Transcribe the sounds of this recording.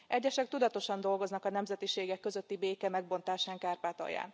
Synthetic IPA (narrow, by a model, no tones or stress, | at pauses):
ʔɛɟːɛʃɛk̚t̪ud̪ɒt̪o̞ʃɒnd̪o̞lɡo̞znɒkɒnɛmzɛt̪iʃeːɡɛkːø̞zøt̪ːibeːkɛmɛɡ̚bo̞n̪t̪aːʃaːŋkaːrpaːt̪ɒ̰ja̰ːn